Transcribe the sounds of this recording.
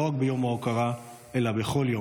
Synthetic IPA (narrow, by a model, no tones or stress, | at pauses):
oaɡbejo̞maokaʁa | elabeχo̞ljo